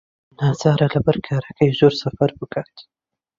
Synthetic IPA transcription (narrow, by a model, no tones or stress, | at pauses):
nɑːzɑːɾalabaɾkʰaɾakajʒoɾsafaɾbəkat̪i̥